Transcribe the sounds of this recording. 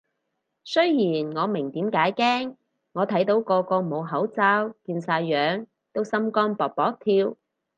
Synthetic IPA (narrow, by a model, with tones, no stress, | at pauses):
sɵ˥ɥjiː˨˩nŋɔː˨˧mɪ˨˩ŋt̪iː˨˥mkaː˨˥jkɛː˥ŋ | ŋɔː˨˧t̪ʰɐ˨˥jt̪o˨˥wkɔː˧kɔː˧mo˨˧wɦɐ˨˥wt͡saː˥wkiː˧nsaː˧jːœː˨˥ŋ | t̪o˥wsɐ˥mkɔː˥npɔː˨˩k̚pɔː˨˥k̚t̪ʰiː˧w